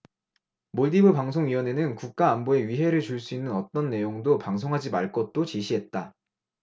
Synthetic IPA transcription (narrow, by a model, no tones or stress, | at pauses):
moɭdibɯpaŋsʰoŋɥiwʌne̞nɯnkuk̚k͈aːmboe̞ɥiɦe̞ɾɯɭt͡ɕuɭs͈uinːɯnʌt͈ʌnːe̞joŋdopaŋs̬ʰoŋɦad͡ʑimaɭk͈ʌt̚t͈ot͡ɕiɕʰiɦe̞t̚t͈a